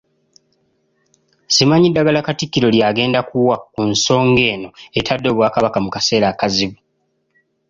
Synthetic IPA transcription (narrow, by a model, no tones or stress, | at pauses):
simaɲidːaɡalakatikːiɾo̞ljaːɡe̞ːndakuwakːunso̞ːŋɡe̞ːno̞etʰadːo̞ːβwaːkaβakamukase̞ːɾaːkaziβu